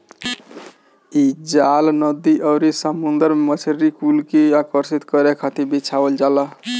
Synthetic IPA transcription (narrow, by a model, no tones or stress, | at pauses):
id͡ʒalnəd̪iʔɔwɾisəmund̪əɾmemət͡ʃʰəɾikulkiakəɾsit̪kəɾekʰat̪ibit͡ʃʰawəld͡ʒala